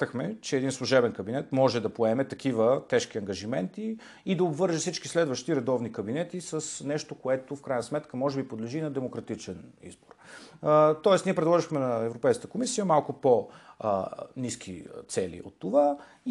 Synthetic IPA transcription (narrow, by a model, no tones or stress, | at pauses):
əxmɛt͡ʃɛɛd̪inslˠuʒɛbɛnkɐbinɛt̪mɔʒɛd̪ɐpoɛmɛt̪ɐkivət̪ɛʃk̟iɐŋɡɐʒimɛnt̪iː | d̪ɐobvɤɾʒifsit͡ʃkislɛd̪vəʃt̪iɾɛd̪ɔvnikɐbinɛt̪isəsnɛʃt̪okoɛt̪ofkɾajnəsmɛt̪kəmɔʒɛbipod̪lɛʒiːnɐd̪ɛmokɾɐt̪it͡ʃɛnḭzbor | t̪ɔɛsniɛpɾɛd̪lˠɔʒixmɛnɐɛvɾopɛjskə̥t̪əkomisijəmalˠkʊpo | niskʰḭt̪sɛlḭʔo̰t̪ːova